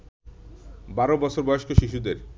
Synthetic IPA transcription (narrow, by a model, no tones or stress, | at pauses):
baɾobɔt͡ɕʰoɾbɔjoʃkʰoʃiʃud̪eɾ